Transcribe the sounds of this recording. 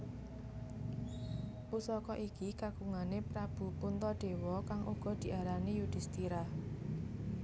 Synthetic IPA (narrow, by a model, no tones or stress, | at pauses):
pusɔkɔʔikikaɡuŋanepɾab̥ṳpunt̪ɔɖ̪̥e̤wɔkaŋʔṵɡ̥ɔ̤d̪̥i̤ʔaɾanijud̪̥i̤st̪iɾah